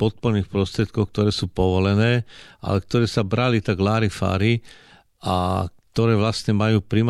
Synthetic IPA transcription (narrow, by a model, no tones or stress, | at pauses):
pɔt̪̚pɔɾniːxpɾɔst̪ɾɪɛt̪̚kɔk̚t̪ɔɾɛːsuːpɔʋɔlɛnɛːʔa̰lɛkt̪ɔɾɛːsabɾalit̪aɡlaːɾifa̰ːɾi | a̰k̚t̪ɔɾɛːʋlastɲɛmajuːpɾim